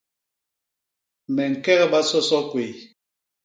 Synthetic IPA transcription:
mɛ˨ŋ̩˨kɛ˦ɣɛ˦ɓa˦sɔ˦sɔ˦kwe˨

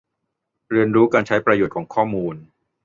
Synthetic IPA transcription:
ɾi˧ənɾuː˦˥kaː˧nt͡ɕʰa˦˥jpɾa˧joː˨˩t̪kʰɔː˩˦ŋkʰɔː˥˩muː˧n

